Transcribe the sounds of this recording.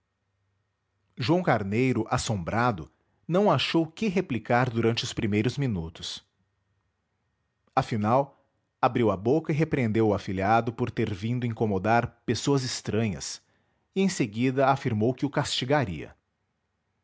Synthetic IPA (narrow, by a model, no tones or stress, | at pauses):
ʒuɐ̃w̃kaɾnejɾʊʔasõmbɾad̪ʊ | nɐ̃w̃aʃowkɪɦeplikaɾd̪uɾɐ̃nt͡ʃɪʊspɾimejɾʊzminut̪ʊ̥s | afinaw | abɾiwɐbokɐiɦepɾẽnd̪ewʊafiliad̪ʊpoɾt̪eɾvĩnd̪ʊĩŋkomod̪aɾpesoɐzɪst̪ɾɐ̃ɲɐ̰s | ɪẽj̃seɡid̪ɐafiɾmowkɪʊkast͡ʃiɡaɾḭɐ̰